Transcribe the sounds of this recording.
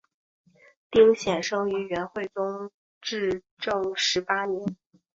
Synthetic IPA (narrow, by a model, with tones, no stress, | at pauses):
t̪i˥ŋɕjɛ˨˩nʂɤ˥ŋy˧˥ɥɛ˧˥nxwe˥˩ɪt͡sʊ˥ŋ | ʈ͡ʂɻ̩˥˧ | ʈ͡ʂɤ˥˩ŋʂɻ̩˧˥pa˥njɛ˧˥n